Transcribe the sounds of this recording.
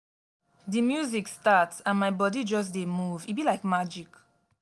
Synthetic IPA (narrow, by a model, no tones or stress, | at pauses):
dimjuzikstatsãnmaɪbɔdid͡ʒɔs̬demuvitbilaɪkmad͡ʒik